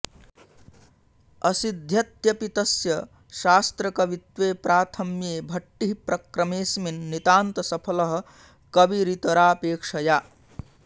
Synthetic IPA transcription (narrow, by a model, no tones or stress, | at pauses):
ɐsid̪ʱjɐt̪jɐpit̪ɐsjɐ | ʃaːst̪ɾəkɐʋit̪ʋepɾaːt̪ʰɐmjebʱɐʈːiɦipɾɐkɾɐmeːsminːit̪aːnt̪ɐsɐpʰələɦ̆ | kɐbiɾit̪ɐɾaːpeːkʂɐja